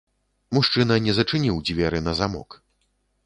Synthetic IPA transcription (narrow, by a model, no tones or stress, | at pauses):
muʂt͡ʂɨnɐnʲɛzɐt͡ʂɨnʲiwd͡zʲvʲɛɾɨnɐzamɔ̰k